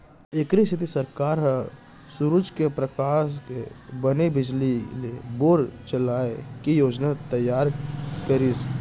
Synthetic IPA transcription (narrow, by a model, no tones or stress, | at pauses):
ekɾisʰɪt̪isəɾkaːɾɦə | suɾʊd͡ʒkepɾəkaːskebənebɪd͡ʒlileboːɾt͡ʃəlaːekijoːd͡ʒnat̪əjaːɾkəɾis